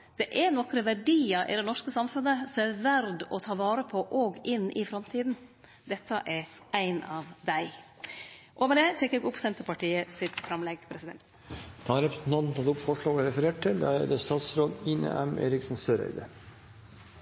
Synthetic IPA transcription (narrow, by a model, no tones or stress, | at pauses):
d̪̥ɛʔɛnɔkːɾəʋæɖiːɑʔɪ̰d̪ɛnɔʂkəsɑmfʉnəsɔæʋæɾd̪ɔt̪ʰɑːʋɑːɾəpʰɔʔoːɡɪnːʔɪfɾɑmt̪ʰiːd̪n̩ | d̪ɛt̪ʰːəʔɛɾæɪnɑʋd̪æɪ | ʔɔmɛd̪ɛt̪ʰɛkɛɡʊpːsɛnt̪əpɑʈiːəsɪt̪fɾɑmlɛɡpʰɾɛsɪd̪ɛnt̪ | d̪̥ʰɑɑɾɛpɾsnɑnnt̪ʰɑt̪ʊpfɔʂɭɑːɡɔɾɛfəɾeːʈ̚ʈɪld̪æ̰æd̪əst̪ɑːt̪sɾoːd̪ɪnḛːʔæmḛːɾɪksn̩søːɾæ̰ɪd̪əɾ